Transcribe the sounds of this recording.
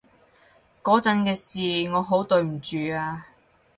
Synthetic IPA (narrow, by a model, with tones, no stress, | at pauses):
kɔː˨˥t͡sɐ˨˥nkɛː˧siː˨ŋɔː˨˧ɦo˨˥wt̪ɵ˧ɥm̩˨˩t͡ʃyː˨aː˧